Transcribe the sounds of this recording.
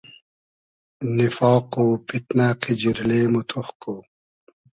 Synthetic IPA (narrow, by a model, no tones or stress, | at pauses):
nifɑːqoːpiʈnaːqid͡ʑiɾleːmut̪ʰuxko